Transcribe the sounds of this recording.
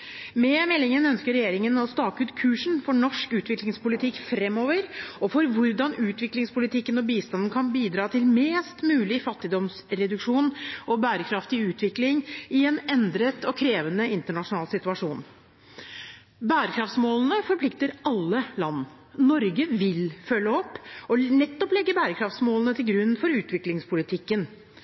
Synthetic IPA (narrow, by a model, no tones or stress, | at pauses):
mɛmɛlːɪŋənœnskəɾːɛjeːɾɪŋənɑst̪ɑːkʉːt̪kʰʉːʂɳ̩fɔɳɔʂkʉːt̪ʰʋɪklɪŋspʊlɪt̪ʰɪkfɾɛmːoːʋəɾɔfɔɾʋʊɾd̪ɑnʉːt̪ʰʋɪklɪŋspʊlɪt̪ʰɪkːənɔbiːst̪ɑnn̩kʰɑnbiːd̪ɾɑːt̪ʰɪlmeːst̪mʉːlɪfɑt̪ːɪd̪ɔmsɾɛd̪ʉkʂuːnʔɔbæːɾəkʰɾɑft̪ɪʉːt̪ʰʋɪklɪŋɪɛnɛnd̪ɾət̪ɔkʰɾeːʋənəɪnt̪əɳɑʂʊnɑːlsɪt̪ʉɑʂṵːn | bæːɾəkʰɾɑft̪smoːln̩əfɔɾpʰlɪk̚t̪əɾɑlːəlɑn | nɔɾɡəʋɪlfœlːəɔpːɔnɛt̪ːɔplɛɡːəbæːɾəkʰɾɑft̪smoːlənət̪ʰɪlɡɾʉnːfɔɾʉːt̪ʰʋɪklɪŋspʰʊlɪt̪ʰɪkːən